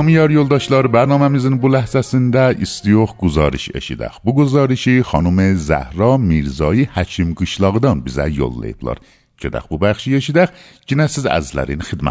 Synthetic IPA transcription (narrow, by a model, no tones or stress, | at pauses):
ɒmijɒɾjolˠd̪ɒʃlˠɒɾɨbæɾnɒmamɪzɪnbʊlæhzæsɪnd̪æist̪ijoχɡʊzɒɾiʃḛʃḭd̪æ̰χbuɡuzɒɾɪʃiχɒnumɪzæ̰hɾɒmiɾzɒjihæt͡ʃʰimɡɨʃlˠɒʁɨd̪ɒnbizæ̰jo̰lˠːa̰jɪblˠɑ̰ɾ | cʰød̪æ̰qbubæχʃieʃid̪æk | d͡ʒinasizæ̰zlæ̰ɾɪnɪχɨd̪ma̰